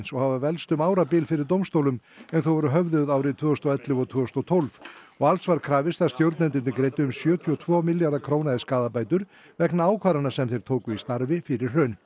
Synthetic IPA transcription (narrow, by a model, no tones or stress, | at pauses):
nsɔɣhavavɛlst̪ʏmaːwɾapɪlfɪɾɪɾt̪̬owmst̪owlʏmɛnθowvɔɾʏɦœvðʏðaːwɾɪt̪ʰvʏːʏst̪ɔɛt̪lɪvɔt̪ʰvœːɔst̪ɔt̪ʰolvɔɣalsvaɾkʰɾaːvɪst̪ast̪jowɾt̪nɛnt̪ɪnɪkɾejt̪ʏʏmsjœːt̪ʰiɔt̪ʰvɔːmɪljaɾðakʰɾownaɪskaːðapaːjt̪ʏɾ | vɛknaaːwkʰvaɾanasɛmθejɾ̥t̪ʰoːwkʏist̪aɾvɪfɪɾɪɾ̥r̥œːn